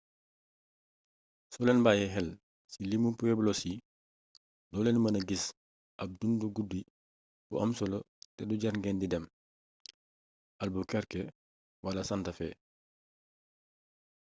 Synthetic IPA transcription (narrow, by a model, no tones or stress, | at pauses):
sɔlenbajɛɦɛl | silimupueblosi | dɔːlenmɐnɐɡis | ʔɐb̚dunduɡudːi | b̥ṵʔamsolo | tɛduɟaɾɡendidɛm | ʔalbukɛɾke | walasantɐfḛ